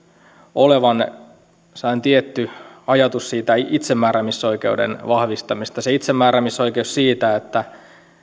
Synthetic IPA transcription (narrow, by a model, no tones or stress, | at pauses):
oleʋɑn | sɑint̪iet̪ːyɑjɑt̪ussiːt̪æit̪semːæːɾæmisːo̞ikeudḛnʋɑhʋist̪ɑmist̪ɑseit̪semːæːɾæmisoikeussiːt̪æet̪ːæ